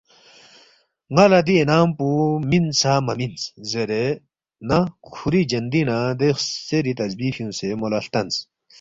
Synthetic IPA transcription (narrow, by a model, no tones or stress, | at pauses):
ŋɐlɐd̪ienaːmpuminsamɐminszeɾe | nɐkʰuɾid͡ʒɐnd̪inad̪exseɾit̪ɐzbiːfjũsemolɐɬt̪ɐnt͡s